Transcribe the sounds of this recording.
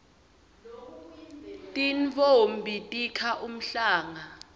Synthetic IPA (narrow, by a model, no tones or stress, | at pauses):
tʼinvombʱitʼikʰaʔum̩ɬaːŋa